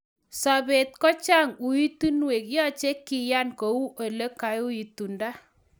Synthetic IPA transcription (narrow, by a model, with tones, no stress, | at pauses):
sa˨be˨t̚kɔ˦t͡ʃa˦ŋu˨i˦tu˦nwe˨kjɔ˦t͡ʃe˦kːi˨ja˦nko˨u˦ʔo˨le˦ka˨ju˦i˨tu˨nda˦